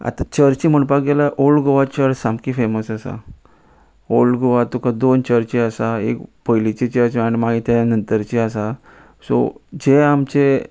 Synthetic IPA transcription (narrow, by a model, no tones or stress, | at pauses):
a̰t̪at͡ɕəɾt͡ɕim̤əɳpakɡelaʔolɡoʋat͡ɕəɾsamkiːfeməsasa̰ | olɡoʋat̪ukad̪ont͡ɕəɾt͡ɕiasaḛkpəjlit͡ɕit͡ɕəɾt͡ɕaɽ̃imaɡit̪jaanənt̪əɾt͡ɕiasa | sɔ̰d͡ʑeamt͡ɕe